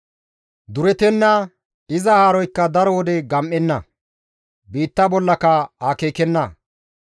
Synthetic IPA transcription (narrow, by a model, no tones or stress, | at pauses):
d̪ʊɾɛt̪ɛnːɐ | ɪzɐhaːɾɔjkːɐd̪ɐɾɔwɔd̪ɛɡɐmʔːɛnːɐ | biːt̪ːɐbɔlːɐkɐaːkeːkɛnːɐ